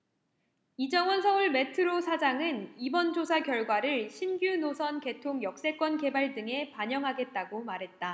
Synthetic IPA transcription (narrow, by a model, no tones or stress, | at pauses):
id͡ʑʌŋwʌnsʰʌŋuɭme̞tʰɯɾosʰad͡ʑaŋɯnibʌnd͡ʑosʰakjʌɭɡwaɾɯɭɕʰimɡjunosʰʌnke̞tʰoŋjʌk̚s͈e̞k͈wʌnke̞baɭdɯŋe̞paɲʌŋɦaɡe̞t̚t͈aɡomaɾɦe̞t̚t͈a